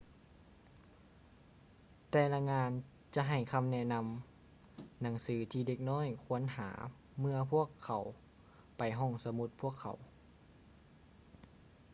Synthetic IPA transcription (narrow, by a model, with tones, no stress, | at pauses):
t̪ɛː˧la˧ŋaː˧n | t͡ɕa˧˦ɦa˨˩jkʰa˧mnɛ˧˩na˧m | na˩˦ŋsɯː˩˦t̪ʰiː˧de˧˩k̚nɔː˥˨jkʰu˧˥ənha̰ː˩˦ | mɯ˧ɐpʰu˧˥˩əkʰːa˨˩w | pa˨˩jɦɔ˧˩ŋsa˧mu˧˦t̪̚pʰu˥˩əkʰːa̰˨˦w